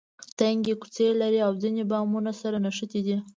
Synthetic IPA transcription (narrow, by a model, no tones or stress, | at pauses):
t̪aŋɡeku̥t͡selaɾiawzinebɑmunasaɾanaʃət̪id̪i